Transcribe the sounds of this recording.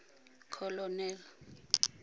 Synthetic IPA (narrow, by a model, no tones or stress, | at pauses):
kʰɔlɔnɛːlɔ